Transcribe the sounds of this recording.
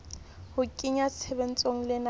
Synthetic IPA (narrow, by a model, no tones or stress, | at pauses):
hʊkʼiɲasʰɛben̩t͡sʼoŋ̩lɪna